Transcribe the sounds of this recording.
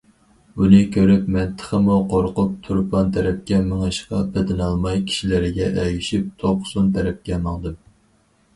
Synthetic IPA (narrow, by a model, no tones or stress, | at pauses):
unɨkʲʰøɾypmɛnt̪ʰːə̥χəmuqʰoɾqʊp̚t̪ʰuɾpʰɑnt̪ʰɛɾɛp̚kʲɛməŋɨʃqɑbed̪ɪnɑlˠmɑjkʲʰi̥ʃilɪɾɪɡʲɛʔɛjyʃip̚t̪ʰoqʰʊ̥sunt̪ʰɛɾɛp̚kʲɛmɑŋd̪ɨm